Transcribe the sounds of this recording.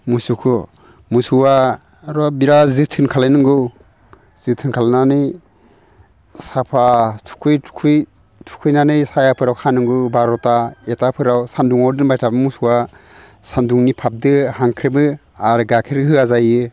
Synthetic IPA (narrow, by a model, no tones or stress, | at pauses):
musukʰɯ | musuwa | ɾɔbiɾazɯtʰɯnkʰalenɯŋɡɯw | z̥ɯtʰɯnkʰalnanɯj | sapʰatʰu̥kʰujtʰkʰuj | tʰu̥kʰɯjnanɯjsajapʰɯɾawkʰanɯŋɡɯbaɾɔtaetapʰɯɾawsanduŋawdɯnbajtʰabɯmusuwa | sanduŋnipʰap̚dɯhaŋkʰɾebɯ | aɾɡakʰeɾhɯazajɯ